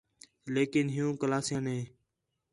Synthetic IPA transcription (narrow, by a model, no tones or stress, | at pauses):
leːkɪnɦɪjũːkəlaːsijãːnɦẽː